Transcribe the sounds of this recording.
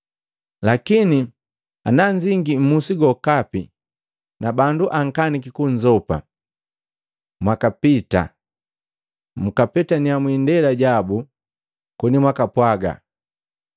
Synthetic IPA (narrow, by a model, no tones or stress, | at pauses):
lakini | a̰naɲd͡ʒiŋɡim̩musiɡɔkapi | nabanduʔaŋ̩kanikikuɲd͡ʒɔpa̰ | mwakapita̰ | m̩kapɛtaniamwindɛlaɟabu | kɔnimwakapwaɡa̰